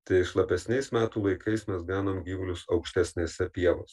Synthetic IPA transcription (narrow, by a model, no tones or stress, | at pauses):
t̪ɐɪɪʃlˠɐpʲɛsʲnʲɛɪsmʲæːt̪uːlˠɐɪkʰɐɪsmʲɛsɡɑːnoːmɡʲiːʋʊlʲʊsɒʊkʃʲt̪ʲɛsʲnʲeːsʲɛpʲiɛʋoːs